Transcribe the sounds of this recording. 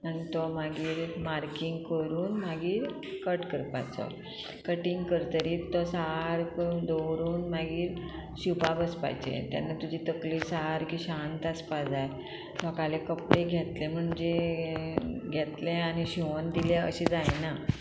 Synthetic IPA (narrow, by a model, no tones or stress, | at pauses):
añit̪ɔmaɡiːɾmaɾkiŋɡkəɾuːnmaɡiːɾ | kəʈkəɾpa̰t͡sɔ̰ | kəʈiŋɡkəɾt̪əɾiːt̪ːɔsaɦaɾkd̪oɾuːnmaɡiːɾ | ɕipabəspa̰jd͡ʑḛt̪ja̰nːat̪ud͡ʑʱit̪əkliːsaɦaɾkiːɕant̪aspad͡zaje | t̪ɔkalekəpɽeɡʱet̪lem̤əɳd͡ʑe | ɡʱet̪leañiɕiʋond̪iljaə̰ɕid͡zajna